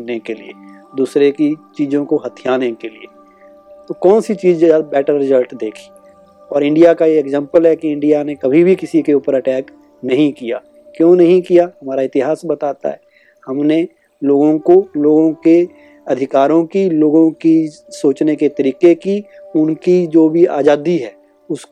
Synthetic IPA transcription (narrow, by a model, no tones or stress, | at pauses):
nekelḭḛ | d̪uːsɾekit͡ʃiːzõkoɦɐt̪ʰijaːnekelie | t̪okɔːnsit͡ʃiːd͡ʒbɛːʈəɾːɪzəlʈd̪eːkʰi̥ | ɔːɾɪ̃ɳɖijakajeːɡzɛ̃ːmpəlɦɛkiɪ̃ɳɖijanekɐbʱibʱikɪsikeuːpəɾɐʈɛːk | nɐɦĩkija̰ | kjõːnɐɦĩkijaɦɐmaːɾaɪt̪ɪɦaːsbɐt̪aːt̪a̰ɦɛː | hɐmne | loːɡõkoloːɡõke | ɐd̪ʱɪkaːɾõkiloːɡõkisoːt͡ʃneket̪ɐɾiːqekiʊnkid͡ʒoːbʱia̰ːd͡ʒaːd̪iɦɛː | ʊs